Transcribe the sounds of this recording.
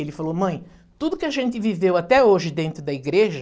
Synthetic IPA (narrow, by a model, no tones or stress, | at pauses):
elɪfalomɐ̃j̃ | t̪ud̪ʊkɪaʒẽnt̪ɪvivewat̪ɛoʒɪd̪ẽnt̪ɾʊd̪ɐiɡɾeʒɐ